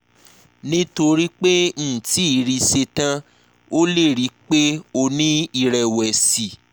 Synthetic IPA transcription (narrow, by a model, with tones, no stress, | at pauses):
nĩ˦to˧ɾi˦k͡pe˦n̩˦˨ti˨˦i˨˦ɾi˧se˧tã˦ | o˦le˦˨ɾi˨˦k͡pe˦o˧nĩ˦i˧ɾɛ˨wɛ˨si˨